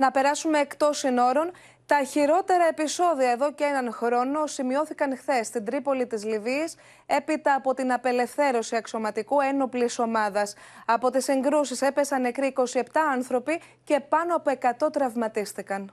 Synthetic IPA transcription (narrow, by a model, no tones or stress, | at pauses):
nɐpe̞ɾɐsume̞ːkt̪o̞sino̞ɾo̞n | t̪ɐçiɾo̞t̪e̞ɾɐe̞piso̞ðiɐe̞ðo̞ceenɐnxɾo̞no̞simio̞θikɐnxθe̞sːt̪ind̪ɾipo̞lit̪izliviɐs | e̞pit̪ɐːpo̞t̪inɐpe̞le̞fθe̞ɾo̞siɐkso̞mɐt̪ikue̞no̞pliso̞mɐðɐsɐpo̞t̪isiŋɡɾusise̞pe̞sɐnekɾiːko̞sie̞p̚t̪ɐɐnθɾo̞pi | ce̞pɐno̞ɐpo̞e̞kɐt̪o̞t̪ɾɐvmɐt̪ist̪ikɐn